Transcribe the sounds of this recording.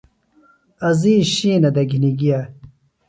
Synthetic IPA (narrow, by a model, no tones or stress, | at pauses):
ɐziːɕiːnɐd̪ɐɡʱiniɡija